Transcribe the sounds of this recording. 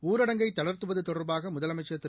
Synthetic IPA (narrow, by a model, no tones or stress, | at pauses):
uːɾɐɽɐŋɡɐɪt̪ːɐɽɐɾt̪ɯʋɐðɯt̪ɔɽɐɾbaːɣɐmʊðɐlɐmɐɪt͡ʃːɐɐt̪ːɪ